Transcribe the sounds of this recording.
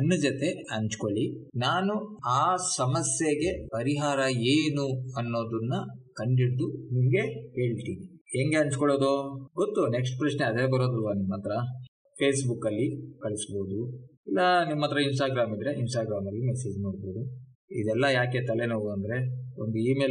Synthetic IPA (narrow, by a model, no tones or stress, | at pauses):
ɐnːud͡ʒɐt̪e̞ɐɲt͡ʃkoɭinaːnuaːsɐmɐsjeɡe̞pɐɾiɦaːɾɐeːnuɐnːo̞ːd̪unːɐkɐɳɖiɽd̪unimɐɡe̞he̞ːɭt̪iːniheːŋɡe̞ɐɲt͡ʃkɔɭoːd̪oːɡot̪ːuneks̬ʈpɾɐʃne̞ɐd̪eːbɐɾoːd̪ulʋɐnimːɐt̪ɾɐ | pʰe̞ːsbukɐlːikɐɭisbo̞ːd̪uilːɐnimːɐːt̪ɾɐins̬ʈaːɡɾaːmid̪ɾeʔinsʈaːɡɾaːmɐlːimese̞ːd͡ʒmoːɽbo̞ːd̪u | id̪ɛlːɐjaːke̞t̪ɐlenoːʋuɐnd̪ɐɾe̞ond̪uiːme̞ː